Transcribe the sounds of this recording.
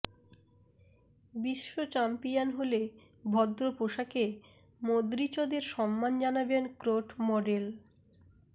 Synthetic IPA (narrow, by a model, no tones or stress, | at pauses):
biʃːot͡ɕampijanɦole | bʱɔd̪ɾopoʃake | mod̪ɾit͡ɕod̪eɾʃɔmːand͡ʑanabenkɾoʈmɔɖel